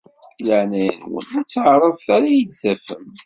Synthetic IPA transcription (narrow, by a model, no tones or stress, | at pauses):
iləʕnæjə̰nwə̰næt͡sːəʕɾˤəðˤθæɾæjəd̪θæfəm